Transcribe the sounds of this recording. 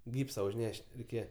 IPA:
ˈɡʲiːpsɐ ʊʒʲˈnʲɛʃʲtʲ rʲɛɪˈkʲeːjɛ

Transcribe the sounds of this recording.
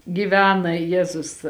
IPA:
ɡʲɪˈʋʲæːnɐ ˈjæːzʊs

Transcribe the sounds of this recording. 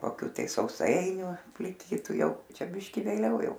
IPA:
koːˈkʲuː tɐɪ sɐʊˈsɐɪnʲuː pʲlʲɪˈkʲiːtʊ ˈjɛʊ ˈt͡ʃʲɛ ˈbʲɪʃʲkʲɪ ʋʲeːˈlʲɛʊ ˈjɛʊ

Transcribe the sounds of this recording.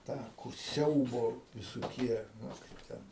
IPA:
ˈtɑː kʊr ˈsʲɛʊboː ʋʲɪsoːˈkʲiɛ ˈnʊ kɐɪp ˈtʲɛn

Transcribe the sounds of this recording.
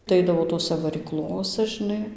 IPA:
tɐɪ ˈɐɪdɐʋoː ˈtoːsʲæ ʋɐrʲiːˈklˠoːsɐ ʒʲɪˈnɐɪ

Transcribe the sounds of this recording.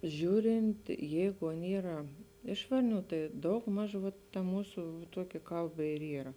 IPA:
ˈʒʲuːrʲɪnt ˈjɛɪɡʊ ˈɐn ˈiːrɐ ˈɪʃ ʋɐrʲˌnʲuː tɐɪ ˈdɐʊɡˌmɐʃ ʋɐt tɐ ˈmuːsʊ ˈtuɔkʲɪ ˈkɐlˠˌbɐ ɪr ˈiːrɐ

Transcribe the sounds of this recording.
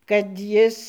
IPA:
kɐt ˈjɪs

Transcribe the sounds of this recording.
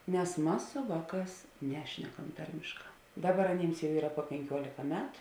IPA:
nʲɛs ˈmɐs sʊ ˈʋɑːˌkɑːs ˈnʲæːʃʲnʲɛkɐm ˈtɐrʲmʲeːʃˌkɑː ˈdɑːˌbɐr ɐˈnʲiːms jɛʊ ˈiːrɐ puɔ pʲɛŋʲˈkʲuɔlʲɪkɐ ˈmʲæːtʊ

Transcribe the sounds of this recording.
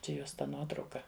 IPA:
ˈt͡ʃʲɛ ˈjoːs tɐ ˈnuɔtrɐʊkɐ

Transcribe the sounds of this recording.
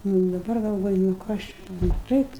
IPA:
ˈnʊ ɪ dɐˈbɐr ɡɐlˠˈʋoːjʊ nʊ ˈkɐs t͡ʃʲɛ nʊ ˈtɐɪp

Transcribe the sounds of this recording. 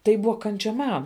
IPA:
ˈtɐɪ ˈbʊʋɐ ˈkɐnʲt͡ʃʲɛ ˈmɐn

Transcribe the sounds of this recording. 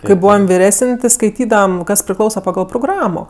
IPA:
kɐɪ ˈbuːʋɐm ʋʲɪˈrʲæːsʲɪnʲ tʲɪ skɐɪˈtʲiːdɐʋɐm ˈkɐs pʲrʲɪˈklˠɐʊsɐ pɐˈɡɐlˠ proːˈɡrɑːmoː

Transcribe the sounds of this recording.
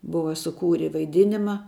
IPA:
ˈbʊʋɐ sʊˈkuːrʲɪ ʋɐɪˈdʲɪnʲɪmɐ

